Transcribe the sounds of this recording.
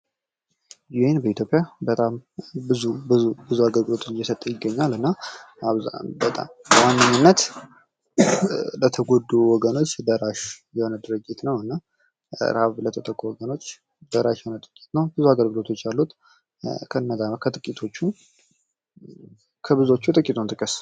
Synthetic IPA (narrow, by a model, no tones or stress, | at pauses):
jenbəit̪ʰjo̞pʼjabət̪ʼambɨzubɨubɨzuaɡəlɡɨlo̞t̪jːɛsət̪ʼːəjɪɡːəɲːalɨnːa | aβza̰bət̪ʼa̰mbəwanːəɲːunːət̪ | lət̪ʰəɡod̪uwɔɡəno̞t͡ʃːd̪əɾaʃjɛhonəd̪ɨɾɨt͡ʃʼːit̪nəwɨnːa̰ | ɾaβlət̪ʰət̪ʼəkʼowɔɡəno̞t͡ʃː | d̪əɾaʃjɛho̞nəd̪ʼɨɾɨkʼi̥t̪nəwbɨzuaɡəlɡɨlo̞t̪ʰo̞t͡ʃːjalːut̪ | kʰəɨnːəzamkʰət̪ʼɨkʼit̪ʰo̞t͡ʃːu | kʰəbɨzo̞t͡ʃːut̪ʼɨkʼit̪ʰʼunt̪ʼɨkʼəs